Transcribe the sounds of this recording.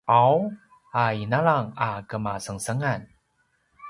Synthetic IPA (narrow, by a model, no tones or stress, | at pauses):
ʔaw | hajnalaŋʔakamaːsaŋsaŋan